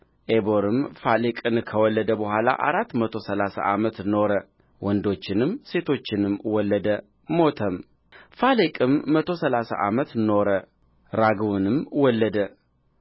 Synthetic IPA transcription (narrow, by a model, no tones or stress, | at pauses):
ʔebo̞ɾɨmfalekʼɨnkʰəwɔlːəd̪əbəɦʷala̰ʔa̰ɾat̪ːmət̪ʰo̞səlasa̰ʔamət̪no̞ɾə | wɔnd̪o̞t͡ʃːɪnɨmse̞t̪ʰo̞t͡ʃːɪnɨmwɔlːəd̪ə | mot̪ʰəm | falekʼɨmːət̪ʰo̞səlasa̰ʔamət̪no̞ɾə | ɾaɡwunɨmwɔlːəd̪ə